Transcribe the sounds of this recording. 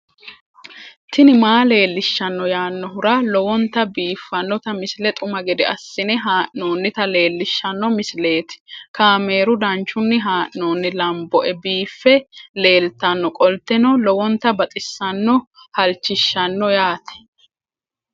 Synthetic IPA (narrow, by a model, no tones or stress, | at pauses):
t̪ʰɪnɪmaːle̞ːlːɪʃːɐnːɔjaːnːɔɦʊɾalɔwɔnt̪ɐbiːfːɐnːɔt̪ɐmɪslɛt̪ʼʊmɐɡɛd̪ɛɐsːɪnɛɦaːʔnoːnːɪt̪ɐle̞ːlːɪʃːɐnːɔmɪsle̞ːt̪ɪ̥kaːmeːɾʊd̪ɐnt͡ʃːʊnːɪɦaːʔnoːnːɪlɐmbɔʔɛbiːfːɛle̞ːlt̪ɐnːɔkʼɔlt̪ɛnɔlɔwɔnt̪ɐbɐt̪ʼɪsːɐnːɔ | hɐlt͡ʃːɪʃːɐnːɔjaːt̪ɛ̥